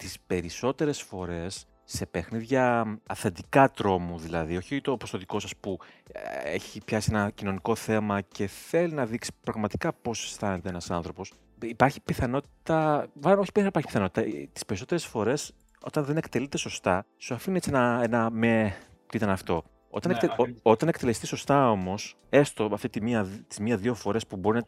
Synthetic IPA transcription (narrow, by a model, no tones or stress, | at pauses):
t̪ispe̞ɾiso̞t̪e̞ɾe̞sfo̞ɾe̞sː | e̞pe̞xniðʝɐːθend̪ikɐt̪ɾo̞muðilɐðio̞çit̪o̞post̪oðiko̞sɐspu | ḛçipçɐsienɐcino̞niko̞θe̞mɐce̞θe̞linɐðiksi̥pɾɐɣmɐt̪i̥kɐpo̞se̥st̪ɐnet̪eenɐsɐnθɾo̞po̞s | ipɐɾçipiθɐno̞t̪i̥t̪ɐvɐlnoçi̥pnipɐɾçi̥piθɐno̞t̪i̥t̪ɐt̪i̥speɾiso̞t̪eɾesfo̞ɾe̞s | o̞̰t̪ɐnðe̞ne̞kt̪elit̪e̞so̞st̪ɐ | suɐfiniet͡sienɐenɐme | t̪iit̪ɐnɐft̪o̞ | o̞̰t̪ɐnekt̪eoot̪ɐne̞kt̪e̞le̞st̪isost̪ɐo̞mo̞s | e̞st̪o̞ɐft̪it̪imiɐt̪i̥zmiɐðiofo̞ɾe̞spubo̞ɾinɐ